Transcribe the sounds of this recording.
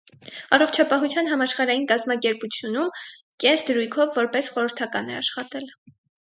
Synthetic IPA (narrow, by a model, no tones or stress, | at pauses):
ɑrɔχt͡ʃʰɑpɑɦut͡sʰjɑn̪ɦɑmɑʃχɑɾɑjinkɑzmɑkɛɾput͡sʰjunum | kɛnsʰd̪əɾujkʰɔvːɔɾpɛsχɔɾəɾt̪ʰɑkɑnɛ̰ɑʃχɑt̪ɛl